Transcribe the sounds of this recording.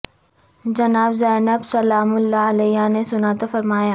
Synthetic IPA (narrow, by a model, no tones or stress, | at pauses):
d͡ʒɐnaːbzɛːnəbsɐlaːmʊlːaɐlɛːjanesʊnat̪ofɐɾmaːjaː